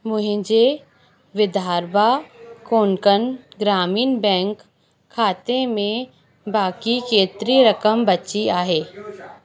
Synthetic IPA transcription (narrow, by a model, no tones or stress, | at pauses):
mʊɦɪ̃d͡ʒe | ʋɪd̪ʱaːɾbakoːnkənɡɾaːmiːnbɛ̃ːŋkʰː | aːt̪emẽ | baːkikeːt̪ɾiɾəkəmbətːʃiaːɦeː